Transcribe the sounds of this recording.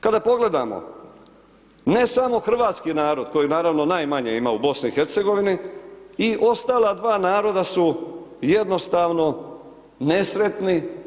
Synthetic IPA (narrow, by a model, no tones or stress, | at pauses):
kad̪apo̞ɡle̞d̪a̰mo̰ | ne̞samo̞xr̩ʋaːt̪skinaːɾo̞d̪ko̞jinaːɾaʋno̞naːjmaɲḛima̰ubo̞sniixeɾt̪se̞ɡo̞ʋiniiʔo̞st̪aːlˠad̪ʋaːnaːɾo̞d̪asuje̞d̪no̞st̪aːʋno̞ | ne̞sɾe̞t̪ni